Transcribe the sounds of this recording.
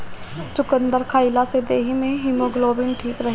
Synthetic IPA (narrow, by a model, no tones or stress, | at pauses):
t͡ʃʊkənd̪əɾkʰaːɪlased̪eːɦimẽɦɪmoɡloːbɪnʈʰiːkɾɐɦ